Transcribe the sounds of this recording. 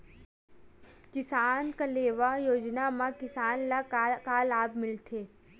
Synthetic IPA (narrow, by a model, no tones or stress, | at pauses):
kɪsaːnkaleːʋajoːd͡ʒnamãkɪsaːnlakaːlaːbmɪlt̪ʰeː